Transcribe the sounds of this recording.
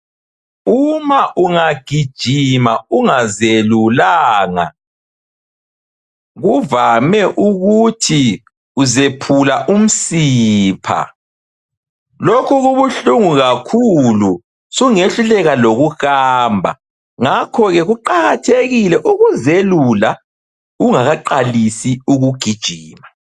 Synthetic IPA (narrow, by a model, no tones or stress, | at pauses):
umaʔuŋaɡ̥ʱid̥ʒ̥ʱimauŋazelulaːŋa̰ | ɣuvamɛʔuɣutʰi | uzepʰulaʔum̩siːpʰa̰ | lokʰuɣuβuɬuŋuɣakʰulu | suŋeɬulɛɣaloɣuxaːmbʱa̰ | ŋakʰɔɣɛɣuǃaɣatʰeɣilɛʔuɣuzelula | uŋaɣaǃalisiuɣuɡ̥ʱid̥ʒ̥ʱiːma